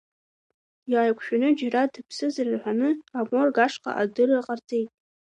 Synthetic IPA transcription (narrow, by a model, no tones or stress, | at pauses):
jaːjkʷʰʼʃᶣanɨd͡ʒaradɨpʰsɨzarɨrħʷanɨaborɡaʂqʼa̰ʔadɨrɨrqʼart͡sʼe̞jtʼ